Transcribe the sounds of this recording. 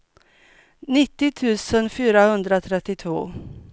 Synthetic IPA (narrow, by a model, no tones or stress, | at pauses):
nɪt̪ːɪt̪ʰʉ̟ːsənfyːɾahɵnd̪ɾat̪ʰɾɛt̪ːɪt̪ʰvo̰ː